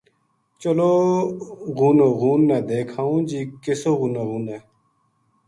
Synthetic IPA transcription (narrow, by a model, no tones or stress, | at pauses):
t͡ɕəlo | ɣuːnoɣuːnːed̪eːkʰaːũːd͡ʑiːkesoːɣuːnoɣũːne